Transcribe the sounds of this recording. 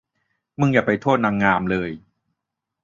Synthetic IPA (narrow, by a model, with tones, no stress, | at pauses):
mɯ˧ŋjaː˨˩pa˧jt̪ʰoː˥˩t̪̚naː˧ŋːaː˧mlɤː˧j